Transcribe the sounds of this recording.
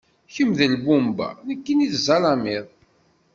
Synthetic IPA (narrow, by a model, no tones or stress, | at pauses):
çəmðəlbumba̰nəkːiniθzɑlɑmiðˤ